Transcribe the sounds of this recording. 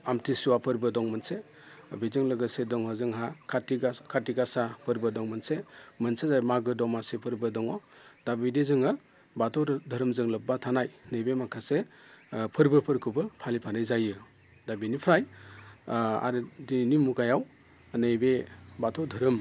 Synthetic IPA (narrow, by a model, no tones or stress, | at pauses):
amtisuwapʰɯɾbɯdɔŋmɯnse | bizɯŋlɯɡɯsedɔŋɦazɯŋɦakʰatiɡakʰatiɡasapʰɯɾbɯdɔŋmɯnsemɯnsezajmaɡɯdɔmasipʰɯɾbɯdɔŋɔdabidezɯŋɯ | batʰɔwɾdʱɐɾɯmzɯŋlɯp̚batʰanajnɯjbemakʰase | pʰɯɾbɯpʰɯɾkʰɯbɯpʰalipʰanajzajɯ | dabinipʰɾaj | a̰ɾɯdinimuɡajaw | nejbebatʰɔwdʱɯɾɯm